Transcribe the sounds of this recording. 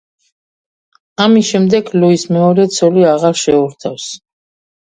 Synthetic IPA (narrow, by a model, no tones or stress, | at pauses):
amisʃɛmd̪ɛɡluismɛɔɾɛt̪sʰɔliaʁaɾʃɛuɾt̪ʰafs